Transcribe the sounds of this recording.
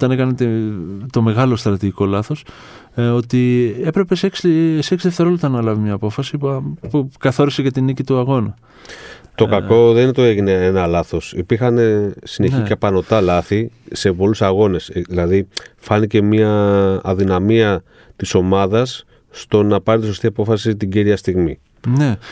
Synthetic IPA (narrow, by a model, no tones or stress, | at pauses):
t̪ɐnekɐnet̪it̪o̞me̞ɣɐlo̞st̪ɾɐt̪iʝiko̞lɐθo̞s | o̞t̪ie̞pɾe̞peseksseksilðeft̪e̞ɾolut̪ɐnɐlɐvimɲɐːpo̞fɐsipukɐθo̞ɾisecet̪inicit̪uɐɣo̞nɐ | t̪o̞kɐko̞ðeninet̪oeʝineenɐlɐθo̞sipiɾxɐne̞sineçicepɐno̞t̪ɐlɐθise̞po̞lusɐɣo̞ne̞sðilɐðifɐnice̞miɐːðinɐmiɐ | t̪iso̞mɐðɐsː | t̪o̞nɐpɐɾit̪iso̞st̪iɐpo̞fɐsit̪iɟiɾiɐst̪iɣmḭ | ne̞